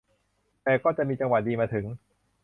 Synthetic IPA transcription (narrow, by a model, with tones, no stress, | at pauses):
t̪ɛː˨˩kɔː˥˩t͡ɕa˨˩ʔmiː˧t͡ɕa˧ŋwa˨˩diː˧maː˧t̪ʰɯ˩˦ŋ